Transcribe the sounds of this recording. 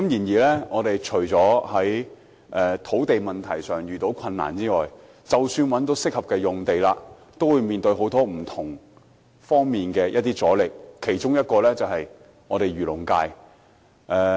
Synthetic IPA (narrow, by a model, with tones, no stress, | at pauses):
kɐ˨˥mjiː˨˩njiː˨˩lɛː˥ŋɔː˨˧t̪e˨jt͡ʃʰɵ˨˩ɥt͡sɔː˨˥hɐ˨˥j | ʔɛː˧t̪ʰo˨˥wt̪e˨jmɐ˨nt̪ʰɐ˨˩jsœː˨˩ŋjyː˨t̪o˨˥wkʰɐ˧nːa̰ː˨˩nt͡siː˥ŋɔː˨j | t͡sɐ˨wsyː˧nwɐ˨˥nt̪̬o˨˥wsɪ˥k̚hɐ˨p̚kɛː˧jʊ˨ŋt̪e˨jlaː˧ | t̪o˥wu˨˧jmiː˨nt̪ɵ˧ɥɦo˨˥wt̪ɔː˥m̩˨˩t̪ʰʊ˨˩ŋ | fɔː˥ŋmiː˨˩nkɛː˧jʔɐ˥t̚t̪iː˥t͡sɔː˨˥lɪ˨˩k̚kʰe˨˩jt͡ʃʊ˥ŋjɐ˥t̚kɔː˧lɛː˥t͡sɐ˨whɐ˨j | ŋɔː˨˧ɾe˨jɥyː˨˩lʊ˨˩ŋkaː˧j | ʔɛː˧